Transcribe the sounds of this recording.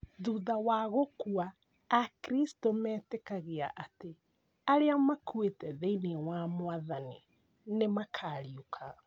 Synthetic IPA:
ðuːðawaɣokuaː | kɾistomɛːtekaɣeaʔate | aɾeamakuwetɛðeinewamwaðani | nemakʰaːɾiokʰa

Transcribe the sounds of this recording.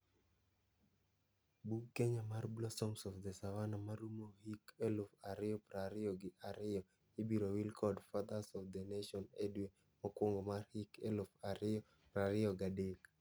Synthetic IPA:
bukkːeɲamarbulɔsɔŋsɔfd̪ɛsawanamaɾumohikelofaɾɪjɔpɾaɾɪɔɡɪʔaɾɪjɔ | ɪbiɾowilkʰɔdfad̪asɔfd̪ɛneʃɔnedwe | mɔkwoŋɡɔmarhikelʊfaɾɪɔ | pɾaɾɪɔɡadek

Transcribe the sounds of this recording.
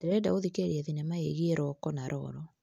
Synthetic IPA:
eɾɛda̰oðikeɾiɛðinemaeɣieɾɔkɔnaɾʔɔ̰ɾɔ

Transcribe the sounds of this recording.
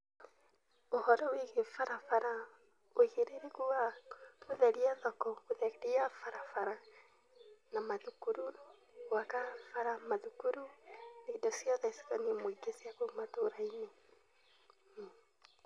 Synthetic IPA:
ohɔɾɔwiɣefaɾafaɾa | oiɣeɾeɾekuaɣoðɛɾiaðɔkɔɣoðɛɾiafaɾafaɾa | namaðukuɾu | wakafaɾamaðukuɾunedɔsjɔðɛsi̥kɔnemweɡesiakomatoɾaine

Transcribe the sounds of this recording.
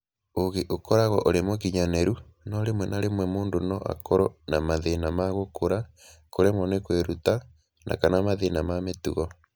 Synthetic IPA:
oɣeʔokɔɾaɣɔʔoɾemokiɲanɛɾunɔɾemwɛnaɾemwɛmoːndonɔʔa̰kɔɾɔnamaðenamaɣokoɾa | koɾemɔnekweɾuta | nʔa̰kanamaðenamametuɣɔ

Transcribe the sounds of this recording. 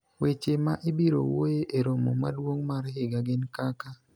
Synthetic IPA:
wet͡ʃemaʔɪbiɾo̰wojeʔeɾomo̰ma̰dwoŋmaɾhɪɡaɡɪnkaka

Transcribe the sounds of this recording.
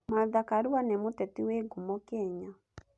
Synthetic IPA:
maðakaɾuwanɛmotɛtiweɡomɔkɛɲa

